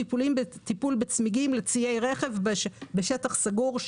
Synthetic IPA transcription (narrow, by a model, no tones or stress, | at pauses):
ipulimbet̪ipulbet͡smiɡimlet͡sie̞jʁeχevbeʃetaχsaɡuʁʃ